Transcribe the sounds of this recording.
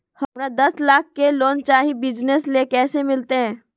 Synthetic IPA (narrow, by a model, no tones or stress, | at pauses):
hɐmɾad̪ɐslaːkʰːeloːnt͡ʃaːɦibɪd͡ʒneslekɛːsemɪlt̪eɦɛ̃ː